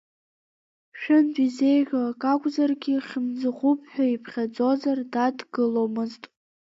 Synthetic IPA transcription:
ʃᶣɨndizejʁʲakʼakʷʼzarɡʲiχʲɪmd͡zɨʁʷupʰʼħʷᶣaipʰχʲad͡zo̞zardadɡɨlo̞wmɨztʼ

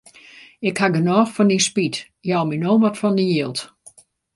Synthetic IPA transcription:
ɪkhaɡənɔːxfɔndinspit | jawminoːʋɔtfɔndəjiːlˠt

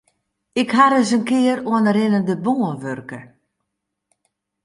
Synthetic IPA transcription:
ɪkhaɾəsənkɪəɾoənəɾɪnəndəboːənʋørkə

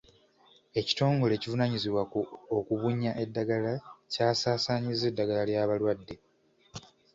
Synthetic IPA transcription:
e̞ci̥to̞ːŋɡo̞le̞ːcivunaɲiziβwakuokuβuɲːaʔe̞dːaɡalacaːsaːsaɲize̞dːaɡalaljaːβalwadːe̞

